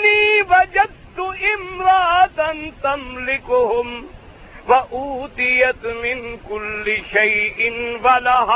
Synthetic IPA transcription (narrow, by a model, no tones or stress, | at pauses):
niːwɐd͡ʒɐd̪̚t̪ʊʔɪmɾaːd̪ɐnt̪amlɪkʊhʊm | wɐʔuːt̪ɪjɐt̪mɪnkʊlːɪʃajʔɪnwɐlaɦ